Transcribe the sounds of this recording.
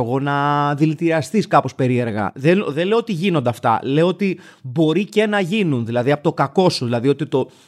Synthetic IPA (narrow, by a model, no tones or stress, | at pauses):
ɣo̞nɐðilit̪iɾɐst̪iskɐpo̞spe̞ɾie̞ɾɣɐ̰ðenðeleoot̪iʝino̞nd̪ɐft̪ɐ̰le̞oot̪i | bo̞ɾice̞nɐʝinunðilɐðiɐpo̞t̪o̞kɐko̞suðilɐðio̞t̪it̪o̞